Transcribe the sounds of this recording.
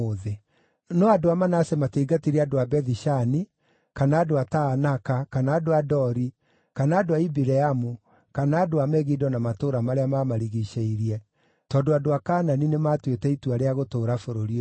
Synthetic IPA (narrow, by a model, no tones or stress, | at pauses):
oðe | nɔadoamanasɛmateiɡatiɾiadoabɛðiʃani | kanaːdoataːnakakanaːdoadɔɾi | kanaːdoaibiɾɛamu | kanaːdoamɛɣidɔnamatoːɾamaɾeamamaɾiɣiʃeiɾiɛ | tɔːndoadoakaːnaninematwetɛituaɾeaɣotoːɾafoɾoɾio